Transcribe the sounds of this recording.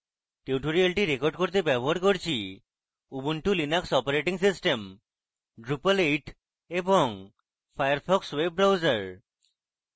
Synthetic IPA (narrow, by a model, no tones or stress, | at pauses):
ʈeuʈoɾialʈiɾekoɾɖkoɾt̪ebɛboɦaɾkoɾt͡ɕʰi | ubuɳʈulinaksɔpoɾeʈiŋsisʈem | ɖɾupaleʈ | eboŋ | fʰajaɾpʰɔkswebːɾawzaɾ